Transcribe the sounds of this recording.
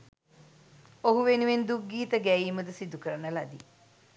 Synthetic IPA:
oɦuʋenuʋend̪uɡiːt̪əɡæiːməd̪əsid̪ukəɾənəlad̪i

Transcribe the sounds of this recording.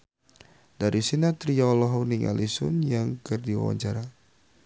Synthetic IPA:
daɾisinat̪ɾialɔɦɔniŋʔa̰lisʊnjaŋkərdiwa̰wa̰ɲt͡ʃaɾa

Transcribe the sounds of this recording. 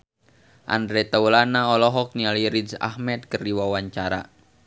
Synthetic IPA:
ʔa̰ndɾɛt̪aulanaɔlɔɦɔk̚nialiɾid͡ʒa̰hmɛt̪̚kəriwawaɲt͡ʃaɾa̰

